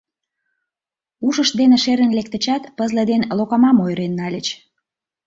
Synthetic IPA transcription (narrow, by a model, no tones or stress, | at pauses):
uʃəʃd̪eneʃeɾənlek̚t̪ə̆t͡ɕɑt̪pəzlə̆d̪enlokɑmɑmojɾenːɑlʲət͡ɕ